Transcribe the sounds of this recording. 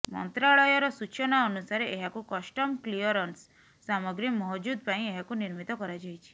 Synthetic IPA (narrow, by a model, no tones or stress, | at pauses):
mɔ̰nt̪ɾaɭɔjɔɾɔsut͡ʃʰɔnaɔnusaɾeʔeɦakukɔsʈɔmkliɔɾɔnsː | amɔɡɾimɔɦd͡ʒud̪̚ʱpaĩeɦakuniɾmit̪ɔkɔɾad͡ʒajt͡ʃʰi̥